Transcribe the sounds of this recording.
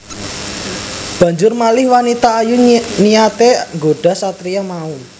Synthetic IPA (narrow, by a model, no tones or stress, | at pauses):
b̥ä̤ɲd͡ʒʊrmalɪhwanit̪aːjunijat̪eŋɡoɖ̥a̤sat̪ɾijamau